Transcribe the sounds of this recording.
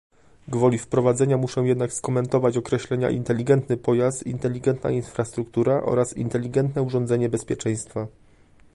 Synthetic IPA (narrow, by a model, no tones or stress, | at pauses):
ɡvɔlʲifpɾɔvad̪zɛɲamuʂɔ̃w̃jɛd̪nakskɔmɛnt̪ɔvat͡ɕɔkɾɛɕlɛɲa̰ʔḭnt̪ɛlʲiɡɛnt̪nɘpɔjast̪int̪ɛlʲːiɡɛnt̪na̰infɾast̪ɾukt̪uɾaʔɔ̰ɾasḭnt̪ɛlʲiɡɛnt̪nɛuʐɔnd̪zɛɲɛbɛspʲjɛt͡ʂɛ̃j̃st̪fa